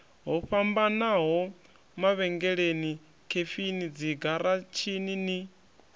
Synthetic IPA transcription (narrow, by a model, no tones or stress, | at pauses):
ɦɔɸambanaɦɔ | maβɛŋɡɛɺeni | kʰefinid͡ziɡaɾat͡ʃʰinini